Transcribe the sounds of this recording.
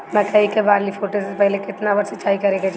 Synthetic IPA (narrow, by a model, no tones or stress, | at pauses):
mɛ̃kɐɦikebaːɾlifʰoːʈosepɛɦlekɪt̪nabɐɾsɪt͡ʃʰaːikɐɾẽːɡad͡ʒ